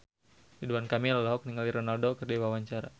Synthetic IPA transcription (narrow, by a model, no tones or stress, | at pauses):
diduankamilalaɦɔk̚niŋaliɾonaldokɨrdiwawaɲt͡ʃaɾa